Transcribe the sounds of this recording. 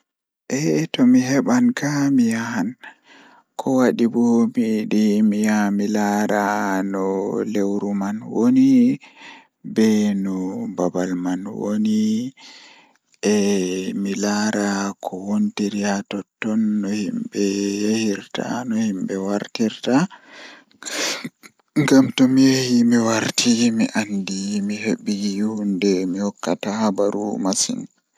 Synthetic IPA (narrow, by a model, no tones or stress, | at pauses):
ʔɛtɔmiɦɛɓankamijahan | kʰɔwaɗibɔmiɗimijamilaɾanɔlewɾumanwoni | bɛnɔbabalmanwo̰ni | ʔɛmilaɾakʰɔwontiɾihatɔtːɔnːɔhimbɛjehiɾta̰nɔhimbɛwaɾtiɾta | ŋɡamtɔmijehimiwaɾtʰimiʔandimihebːiɡjuhundɛmihɔkːatahabaɾṵmasḭn